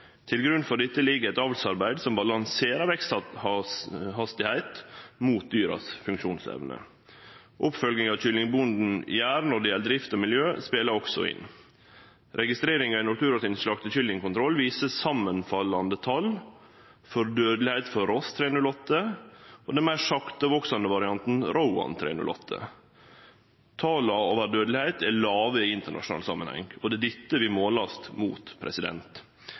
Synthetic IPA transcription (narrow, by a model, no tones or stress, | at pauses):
t̪ʰɪlɡɾʉnfɔɖ̪ɪt̪ːəlɪɡəɛt̪ɑːʋlsɑɾbæɪd̪sɔmbɑlɑŋseːɾəɾʋɛks | hɑst̪ɪhæɪt̪muːt̪̚d̪yːɾɑ̰sfʉŋkʃuːnsɛ̰ʋnə̰ | ʔʊpfœlɡnɪŋɑʋɕʏlɪŋbʊnd̪n̩jæːɾnɔd̪ɪɛld̪ɾɪft̪ɔmɪljøːspeːləɾɔksɔ̰ɪ̰n | ɾʔɛɡɪst̪ɾeːɾɪŋɑɪnɔt̪ʰʉːɾɑt̪iːnʂɭɑk̚t̪əçʏld̪ɪŋkʊnt̪ʰɾɔlːʋiːsəsɑmːənfɑlːɑnd̪ət̪ʰɑl | fɔɾd̪øːd̪lɪhæɪt̪fɔɾɔst̪ʰɾeːnʉlɔt̪ːəʔɔd̪ɛnmæɪʂɑkt̪əʋoksɑnəʋɑɾɪɑnt̪n̩ɾaʊɑ̰nt̪ʰɾḛːnʉ̰lʔɔ̰t̪ʰːə̰ | t̪ʰɑːlɑoːʋæɾɖ̪øːd̪əlɪhæɪt̪ɛlɑːʋəiɪnt̪əɳɑ̰ʂʊnɑ̰lsɑ̰mːənhɛ̰ŋɔd̪ɛd̪ɪt̪ːəʋɪmoːlɑst̪muːt̪pʰɾɛ̰sɪd̪ɛ̰nt̪